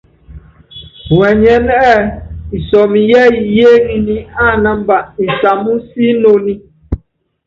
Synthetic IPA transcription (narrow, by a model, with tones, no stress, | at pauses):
wɛ˨ɲɛ˨˦n˦ɛ˦˨i˨sɔ˨mi˨jɛ˦i˨je˦ŋi˦˨ni˦a˦˨na˦m̩˦ba˨ʔi˨sa˨mu˦si˦no˦˨ni˦